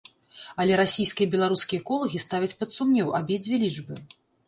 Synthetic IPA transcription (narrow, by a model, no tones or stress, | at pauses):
ɐlʲɛɾasʲijskʲijɐbʲɛlˠaɾuskʲijɐkɔlˠɐɣʲist̪avʲɐt͡sʲpɐt̪sumnʲɛwabʲed͡zʲvʲelʲiʐbɨ